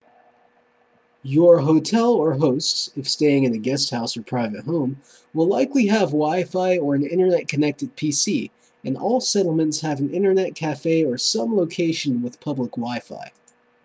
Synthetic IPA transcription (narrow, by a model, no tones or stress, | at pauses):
jə˞ɦoʊtʰɛlˠə˞ɦoʊstsɨfsteɪɪ̃ŋɨ̃nɨɡɛst̚haʊsə˞pʰɹ̥aɪvɨt̚ɦõʊ̃m | wəlaɪkliɨvwaɪfaɪə˞ɨ̃nɪ̰̃ɾ̃ə˞nɛt̚kʰɨnɛk̚tɨd̚pʰisi | ɨ̃nɔ̰lˠsɛɾl̩ˠmɨ̃ntshɨṽn̩ɪ̃ɾ̃ə˞nɛt̚kʰæfeɪə˞sʌ̃mloʊkʰeɪʃɨ̃n̩wəð̥pʰʌbləkwaɪfa̰ɪ